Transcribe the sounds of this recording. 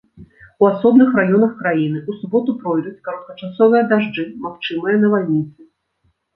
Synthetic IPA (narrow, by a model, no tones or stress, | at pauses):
uasɔbnɨxrajɔnɐxkɾajinɨusubɔt̪upɾɔjd̪ut͡sʲkɐɾɐt̪̚kɐt͡ʂasɔvɨjɐd̪aʐd͡ʐɨmaxt͡ʂɨmɨjɐnɐvalʲnʲit̪sɨ